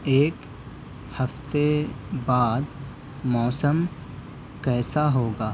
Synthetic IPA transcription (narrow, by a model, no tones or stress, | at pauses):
eːk | hɐft̪ebaːd̪ | mɔːsəm | kɛːsaɦoːɡaː